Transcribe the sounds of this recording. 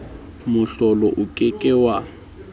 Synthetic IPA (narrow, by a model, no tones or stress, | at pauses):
mʊɬɔlɔʔʊkʼekʼɛwa